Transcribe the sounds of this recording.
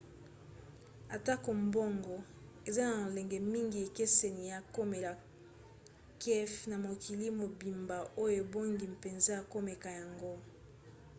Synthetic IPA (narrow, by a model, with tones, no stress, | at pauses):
a˨ta˦ko˨mbo˦ŋɡɔ˨ | e˨za˦na˨lɛ˨ŋɡɛ˨mi˦ŋɡi˨e˨ke˦se˨ni˨ja˨ko˦me˨la˨ | kʰɛ˦fna˨mo˨kʰi˨li˦mo˨bi˨mba˨ʔo˦jo˦e˨bo˦ŋɡi˨mpe˨nze˦a˨ko˦mɛ˨ka˨ja˨ŋɡo˦